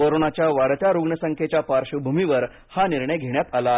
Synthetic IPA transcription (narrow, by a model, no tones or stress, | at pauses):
əɾoɳat͡ɕjaʋaɽt̪jaɾuɡɳəsəŋkʰet͡ɕjapaɾɕəbʱumiʋəɾ | haniɾɳəjɡʱeɳ̃jat̪ala